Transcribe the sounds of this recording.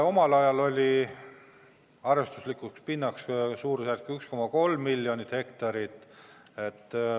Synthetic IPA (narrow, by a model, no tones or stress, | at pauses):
o̞mɑlɑjɑlo̞lʲi | ɑrest̪uslikˑukspinːɑkssuːɾsærkyksko̞mɑko̞lmːilʲːjo̞nit̪he̞kt̪ɑɾit̪ːˑe̞t̪ˑː